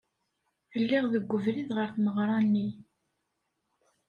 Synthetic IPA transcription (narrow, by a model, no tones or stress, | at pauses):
θəlːiʁðəɡʷːəvɾiðʁəɾfməʁɾˤɑnːi